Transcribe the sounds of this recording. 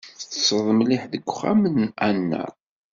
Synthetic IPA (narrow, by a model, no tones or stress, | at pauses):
θəsəðˤəmlɪħðəɡʷːχæmənænːæ̰